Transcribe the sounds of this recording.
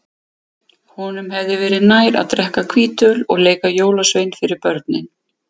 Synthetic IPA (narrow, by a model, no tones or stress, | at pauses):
hɔnʏmhɛvðɪvɛːɾɪðnaːjɾa̰ðt̪ɾɛhkakʰviːt̪œlɔɣleːjkajoːwlasvejnfɪɾɪɾpœɾt̪̚nɪn